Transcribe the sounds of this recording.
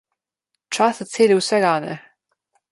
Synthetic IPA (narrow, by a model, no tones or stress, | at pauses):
t͡ʃast̪sʲeːlʲiwsɛɡanɛ̰